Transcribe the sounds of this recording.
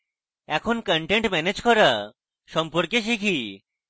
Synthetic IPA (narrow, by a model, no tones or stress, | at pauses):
ɛkʰonkəɳʈeɳʈmɛned͡ʑkɔɾa | ʃɔmpoɾkeʃ̬ikʰi